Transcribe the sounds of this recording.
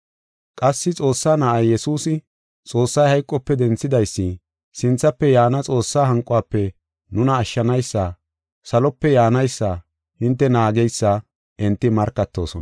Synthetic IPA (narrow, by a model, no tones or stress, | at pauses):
kʼɐsːɪt͡sʼo̞ːsːaːnɐʔɐjjɛsuːsɪ | t͡sʼo̞ːsːɐjhɐjkʼːɔpːɛd̪ɛnt͡sːɪd̪ɐjsːɪ | sɪnt͡sːɐpːɛjaːnɐt͡sʼo̞ːsːaːɦɐŋkʼʊaːpːɛ | nʊnɐːʃːɐnɐjsːɐ | sɐlɔpːɛjaːnɐjsːɐ | hɪnt̪ːɛnaːɡɛjsːɐ | ʔɪnt̪ːɪmɐɾkːɐt̪ːo̞̰ːsɔn